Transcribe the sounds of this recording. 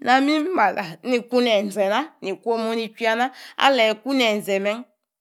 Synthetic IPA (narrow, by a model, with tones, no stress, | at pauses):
na˨mi˦m˦ma˨la˨ni˨ku˦n˦ɛ˨n˨zɛ˨na˦ni˨ku˦o˦mo˦ni˨ki˦a˧na˦a̰˦lɛ˨ku˦n˦ɛ˨n˨zɛ˨mɛ˦ŋ˦